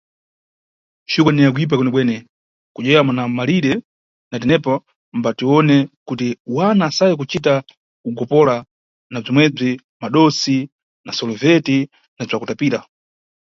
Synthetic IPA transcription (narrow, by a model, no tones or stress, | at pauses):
t͡ʃikwanɛak̬uip̬akɛnɛɓwɛnɛ | kud͡ʒɛjamanamaliɾɛ | natɛnɛpɔ | mbatiɔnɛkutiwanaːsajɛk̬ut͡ʃita | kuɡɔpɔla | nab͡ʐimwɛb͡ʐi | maɗɔsi | nasɔlɔvɛti | nab͡ʐakutapiːɾa